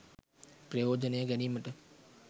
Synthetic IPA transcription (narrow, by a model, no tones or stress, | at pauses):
pɾeoːd͡ʒənẽːɡɐniːməʈ